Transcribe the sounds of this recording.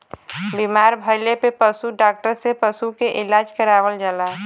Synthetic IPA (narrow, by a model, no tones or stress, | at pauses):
bimaːɾbʱəɪlepepəsuɖaːk̚ʈəɾsepəsukeʔɪlaːd͡ʒkəɾaːʋəld͡ʒəlaː